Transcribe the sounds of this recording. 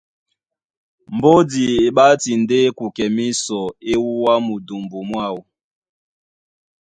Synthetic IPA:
mbo˦di˨e˨ɓa˦ti˨nde˦ku˨kɛ˨mi˦sɔ˨e˦wu˦wa˦mu˨du˨mbu˨mwa˦˨u˨

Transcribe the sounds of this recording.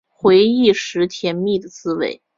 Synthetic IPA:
xwe˧˥ɪi˥˩ʂɻ̩˧˥t̪ʰjɛ˧˥nmi˥˩d̪ə˩t͡sɹ̩˥wḛ˧˥˩ɪ

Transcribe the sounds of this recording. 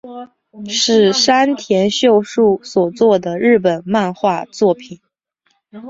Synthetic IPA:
ʂɻ̩˥˩ʂa˥nt̪ʰjɛ˧˥nɕjo˥˧ʊʂu˥˩swɔ˨˩t͡swɔ˥˩d̪ə˩ɻɻ̩˥˩pə˨˩nma˥˧nxwa˥˧t͡swɔ˥˩pʰi˨˩˦n

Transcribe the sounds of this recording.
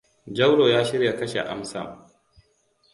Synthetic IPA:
d͡ʒɐ˦wɽoː˨jaː˦ʃɪ˦ɾja˨kɐ˦ʃḛ˨ʔa̰˦msɐ̰˨m

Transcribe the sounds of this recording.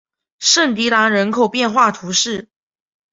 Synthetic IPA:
ʂə˥˩ŋt̪̬i˧˥t̪a˧˥ŋɻə˧˥nkʰo˨˩ʊpjɛ˥˧nxwa˥˩t̪ʰu˧˥ʂɻ̩˥˩

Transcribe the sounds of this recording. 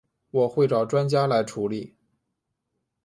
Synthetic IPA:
wɔ˨˩xwe˥˩ɪʈ͡ʂɑ˨˩ʊʈ͡ʂwa˥nt͡ɕja˥la˧˥ɪʈ͡ʂʰu˧˥li˨˩˦

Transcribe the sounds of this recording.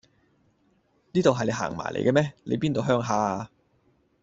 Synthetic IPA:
niː˥t̪o˨wɦɐ˨jne˨˧jha̰ː˨˩ŋma̰ː˨˩lḛ˨jkɛː˧mɛː˥le˨˧jpiː˥nt̪o˨wɦœː˥ŋɦaː˧

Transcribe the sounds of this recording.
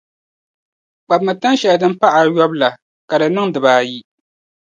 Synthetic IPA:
k͡pa˨bmɨ˨ta˦nʃɛ˨ldɨ˦m̩˦pa˦ʔa˨jɔ˦bla˨ | ka˨dɨ˨nɨ˦ŋdɨ˨baː˨˦ji˦

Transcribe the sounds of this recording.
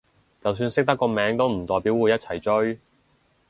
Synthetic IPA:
t͡sɐ˨ws̬yː˧nsɪ˥k̚t̪ɐ˥kːɔː˧mɛː˨˥ŋt̪o˥wm̩˨˩t̪ɔː˨˩jpiː˨˥wuː˨˧jɐ˥t̚t͡sʰɐ˨˩jt͡ʃɵ˥ɥ

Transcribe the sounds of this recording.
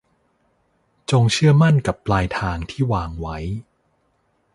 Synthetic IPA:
t͡ɕo˧ŋt͡ɕʰɯ˥˩ɐma˥˩nka˨˩pːlaː˧jt̪ʰaː˧ŋt̪ʰiː˥˩waː˧ŋwa˦˥j

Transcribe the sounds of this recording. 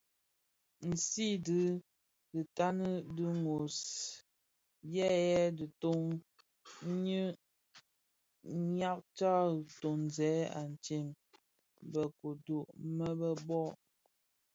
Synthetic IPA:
n̩˨si˦dɨ˦ | dɨ˨ta˦nə˦dɨ˦ŋo˨s | jɛ˦jɛ˦də˨to˦ŋ˦ | ɲə˦ | ɲa˦k̚t͡ʃa˦˨to˨n˨zɛ˨˦a̰˨n˨t͡ʃi˨m | bə˨ko˨do˨ʔmə˦bə˦bɔ˦

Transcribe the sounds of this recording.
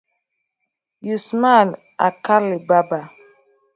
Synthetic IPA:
ju˨sma˦˨n | a̰˨ka˦li˨ba˦ba˨

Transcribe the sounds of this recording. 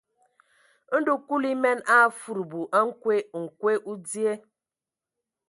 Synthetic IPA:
n̩˦du˦ku˦li˦mɛ˦na˦˨fu˨ɾu˨bu˨ʔa˦ŋ̩˦kwe˦ŋ̩˨kwe˦ʔu˦di˦e˦

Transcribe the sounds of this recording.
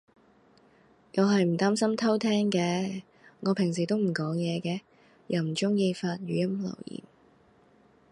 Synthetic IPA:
ŋɐ˨˧wɦɐ˨jm̩˨˩t̪aː˥msɐ˥mt̪ʰɐ˥wt̪ʰɛː˥ŋkɛː˨˧ | ŋɔː˨˧pʰɪ˨˩ŋs̬iː˨˩t̪o˥wm̩˨˩kɔː˨˥ŋjɛː˨˧kɛː˧ | jʔɐ˨wm̩˨˩t͡sʊ˥ŋjiː˧faː˧t̚jyː˨˧jɐ˥mlɐ̰˨˩wjḭː˨˩m

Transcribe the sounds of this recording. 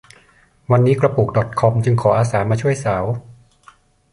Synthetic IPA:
wa˧nːiː˦˥kɾa˧puː˨˩k̚dɔ˨˩t̪̚kʰɔ˧mt͡ɕɯ˧ŋkʰɔː˩˦ʔaː˧saː˩˦maː˧t͡ɕʰu˥˩əjsaː˩˦w

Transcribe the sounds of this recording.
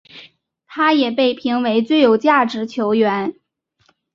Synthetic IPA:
t̪ʰa˥jɛ˨˩pe˥˩ɪpʰi˧˥ŋwe˧˥ɪt͡swe˥˩ɪjo˨˩ʊt͡ɕja˥˩ʈ͡ʂɻ̩˧˥t͡ɕʰjo˧˥ʊɥɛ˧˥n

